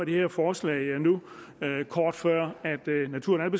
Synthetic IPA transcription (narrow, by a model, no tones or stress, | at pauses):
æd̥e̝heɐfɒːslɛ̰ɪnu | kʰɒːd̥fɶɐ̰æd̥næt͡sʰuɐnælb̥e